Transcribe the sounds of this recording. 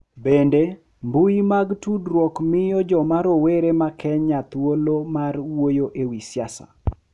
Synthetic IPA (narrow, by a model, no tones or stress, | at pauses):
bende | mbujimaɡtudɾwɔkmɪjɔd͡ʒɔmaɾoweɾemakʰɛɲat̪wolomarwojoʔewisjasa̰